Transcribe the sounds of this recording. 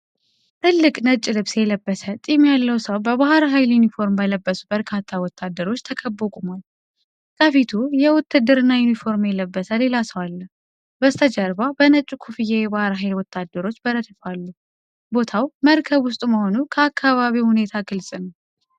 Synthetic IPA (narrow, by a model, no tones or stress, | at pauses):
t̪ʰɨlːɨkʼnət͡ʃʼːɪlɨβsjɛləbːəsət̪ʼimjalːəwsəwbəβahɾɦajljunifo̞ɾmbələbːəsu̥bəɾkʰat̪ʰːawɔt̪ʰːad̪ːəɾo̞t͡ʃːt̪ʰəkʰəbːokʼumal | kʰʼəfit̪ʰujɛwɔt̪ːɨd̪ːɨɾɨnːajunifo̞ɾmjɛləbːəsʰəle̞lasəwalːə | bəst̪ʰəd͡ʒəɾbabənət͡ʃʼːukʰufijejɛβahɾɦajlwɔt̪ʰːad̪ːəɾo̞t͡ʃːbəɾət̪ɨfalːu | bo̞t̪ʰawməɾkʰəβwʊst̪ʼuməho̞nukʰəakːaβaβihune̞t̪ʰaɡɨlsʼɨnəw